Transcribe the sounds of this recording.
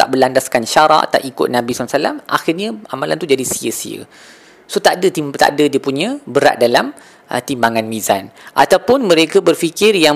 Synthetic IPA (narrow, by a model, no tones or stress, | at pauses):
t̪a̰ʔbəlandaskanʃaɾa̰ʔt̪a̰ʔikʊ̰t̪̚nãbisansala̰mʔa̰xɪrɲə̃amala̰nt̪ud͡ʒadisiəsḭə̰ | sot̪aʔdət̪it̪a̰ʔdədiəpuɲə̃bəɾa̰ʔ̪̚dalam | ə̰t̪imbaŋanmĩzanʔat̪awpʊnmə̃ɾekəbərfikɪrja